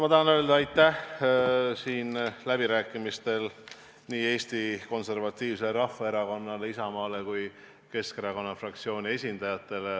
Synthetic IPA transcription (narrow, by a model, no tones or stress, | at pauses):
mɑt̪ɑɦɑnøeld̪̥ɑɑjt̪ːˑæh | siːnlæb̥iɾæːkːˑimist̪e̞l | niːe̞ːst̪iko̞nse̞rvɑt̪ːiːvseɾɑfːɑe̞ɾɑko̞nːɑleisɑmɑːle̞kuj | ke̞ske̞ɾɑko̞nːɑfrɑkt̪sio̞ːnʲie̞sʲind̪̥ɑjɑt̪ːˑe̞le